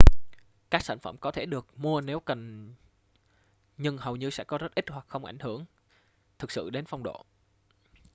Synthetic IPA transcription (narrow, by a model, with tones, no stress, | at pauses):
kaː˦˥k̚sa̰˧˩ŋ̟fə̰˧˩mkɔ˨˦t̪ʰe˧˩ɗɨ˨˩ək̚mu˧əne˨˦wkə˨˩n | ɲɨ˧ŋhə˨˩wɲɨ˧sɛ̰˧˥kɔ˨˦zə˦˥t̚ʔi˦˥t̚hwa˨˩k̚xə˧wŋ͡mʔa̰˧˩jŋ̟hɨ˧˩əŋ | t̪ʰɨ˨˩k̚sɨ̰˧˨ɗe˨˦nfa˧wŋ͡mɗo̰˧˨